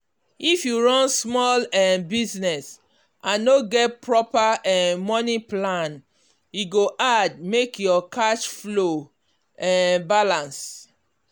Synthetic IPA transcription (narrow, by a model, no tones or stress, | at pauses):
ifjuɹɔ̃nsmɔlɛbiznɛs | ʔãnːoɡɛt̚pɹɔpaɛmɔniplãn | juɡoʔad̚mekjɔkaʃflo | ɛbalãns